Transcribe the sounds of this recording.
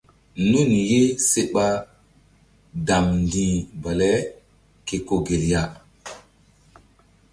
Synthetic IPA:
nu˦˨nje˦se˦ɓa˦ | da˨mndi˨ba˨lɛ˦ | ke˨ko˦ɡe˨lja˦

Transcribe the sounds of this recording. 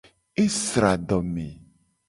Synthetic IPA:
e˦sɾa˨ɖɔ˨me˨

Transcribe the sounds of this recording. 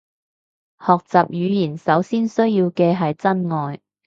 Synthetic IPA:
hɔː˨k̚t͡saː˨p̚jyː˨˧jiː˨˩nsɐ˨˥wsiː˥nsɵ˥ɥjiː˧wkɛː˧ɦɐ˨jt͡sɐ˥nŋɔː˨j

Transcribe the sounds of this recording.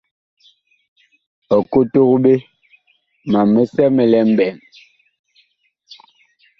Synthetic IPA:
ɔ˨ko˦to˦kɓe˦ | ma˨mːe˦sɛ˦mɛ˨lɛ˨˦m̩˦bɛ˨ŋ

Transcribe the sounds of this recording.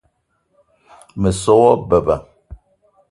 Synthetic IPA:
mə˨sɔ˦wɔ˦bə˨ba˨

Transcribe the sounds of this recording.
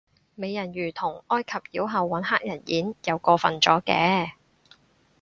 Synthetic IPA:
me˨˧jːɐ˨˩njyː˨˩t̪ʰʊ˨˩ŋʔɔː˥jkʰɐ˨p̚jiː˨˥wɦɐ˨wːɐ˨˥nɦaː˥k̚jɐ˨˩njiː˨˥njɐ˨˧wkɔː˧fɐ˨nt͡ʃɔː˨˥kɛː˧

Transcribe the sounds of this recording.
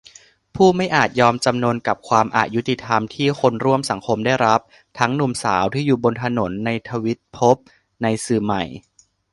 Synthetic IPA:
pʰuː˥˩ma˥˩jʔaː˨˩t̪̚jɔː˧mt͡ɕa˧mnu˧ənka˨˩p̚kʰwaː˧mʔa̰ː˨˩t̪̚ju˦˥t̪ːi˨˩t̪ʰa˧mt̪ʰiː˥˩xo˧nɾu˥˩əmsa˩˦ŋkʰo˧mdaː˥˩jɾa˦˥p̚ | t̪ʰa˦˥ŋnu˨˩msa̰ː˩˦wt̪ʰiː˥˩juː˨˩bo˧nt̪ʰa˧no˩˦nːa˧jt̪ʰa˧wi˦˥t̪̚pʰo˦˥p̚ | na˧jsɯː˨˩ma˨˩j

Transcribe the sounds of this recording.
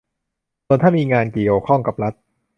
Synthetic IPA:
su˧ənt̪ʰaː˥˩miː˧ŋaː˧nki˨˩əwkʰɔ˥˩ŋka˨˩p̚ɾa˦˥t̪̚

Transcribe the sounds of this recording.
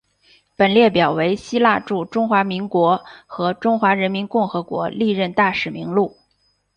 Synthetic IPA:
pə˨˩nljɛ˥˩pjɑ˨˩ʊwe˧˥ɪɕi˥la˥˧ʈ͡ʂu˥˩ʈ͡ʂʊ˥ŋxwa˧˥mi˧˥ŋkwɔ˧˥xɤ˧˥ʈ͡ʂʊ˥ŋxwa˧˥ɻə˧˥nmi˧˥nkʊ˥˩ŋxɤ˧˥kwɔ̰˧˥li˥˧ɻə˥˧nt̪a˥˩ʂɻ̩˨˩mi˧˥ŋlu˥˩

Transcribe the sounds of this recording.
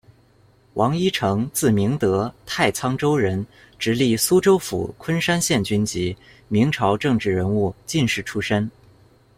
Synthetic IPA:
wɑ˧˥ŋi˥ʈ͡ʂʰɤ˧˥ŋt͡sɹ̩˥˩mi˧˥ŋt̪ɤ˧˥t̪ʰa˥˩ɪt͡sʰɑ˥ŋʈ͡ʂo˥ʊɻə˧˥n | ʈ͡ʂɻ̩˧˥li˥˩su˥ʈ͡ʂo˥ʊfṵ˨˩kʰwə˥nʂa˥nɕjɛ˥˩nt͡ɕy˥nt͡ɕi˧˥ | mi˧˥ŋʈ͡ʂʰɑ˧˥ʊʈ͡ʂɤ˥˧ŋʈ͡ʂɻ̩˥˩ɻə˧˥nu˥˧t͡ɕi˥˧nʂɻ̩˥˩ʈ͡ʂʰu˥ʂə˥n

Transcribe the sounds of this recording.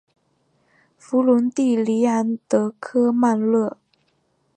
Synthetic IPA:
fu˧˥lu˧˥nt̪i˥˩li˧˥a˧˥nt̪ɤ˧˥kʰɤ˥ma˥˧nlɤ˥˩

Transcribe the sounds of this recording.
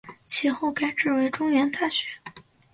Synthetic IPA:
t͡ɕʰi˧˥xo˥˩ʊka˥ɪʈ͡ʂɻ̩˥˩we˧˥ɪʈ͡ʂʊ˥ŋɥɛ˧˥nt̪a˥˩ɕɥɛ˧˥

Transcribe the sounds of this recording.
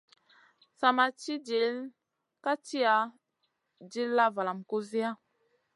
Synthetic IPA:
sa˨ma˨t͡ʃi˦d͡ʒi˨˦l | ka˦t͡ʃi˦a˨˦ | d͡ʒi˦lːa˦va˨la˨mko˦zi˦a˦

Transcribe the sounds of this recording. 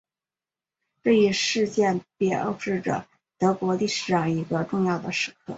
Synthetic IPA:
ʈ͡ʂɤ˥˧i˥ʂɻ̩˥˧t͡ɕjɛ˥˧npjɛ˥˩o̰˥˧ʊʂɻ̩˥˩ʈ͡ʂə̰˩ | t̪ɤ˧˥kwɔ˧˥li˥˩ʂɻ̩˨˩ʂɑ˥˩ŋi˧˥ɡə˧ʈ͡ʂʊ˥˧ŋjɑ˥˩ʊd̪ə˩ʂɻ̩˧˥kʰɤ̰˥˩

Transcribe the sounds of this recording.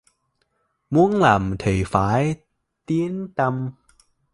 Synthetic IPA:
mu˨˦əŋlaː˨˩mt̪ʰi˨˩faː˨˩˦j | t̪i˨˦ənt̪a˧m

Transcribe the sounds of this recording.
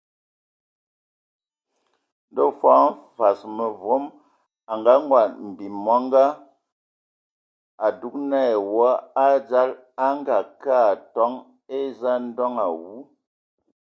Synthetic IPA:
n̩˦do˦˨fwɔ˨˦m̩˦fa˨smə˨vo˨˦m | a˨ŋɡa˦ŋ˦ɡwa˨m̩˨bi˨mːɔ˦ŋ˦ɡa˦ | a˨du˨˦k̚nɛ˦˨wɔ˦a˦d͡za˦l | a˦ŋ˦ɡa˨ka˦˨tɔ˨˦ŋ | e˦za˦n̩˦dɔ˦ŋa˨wu˦

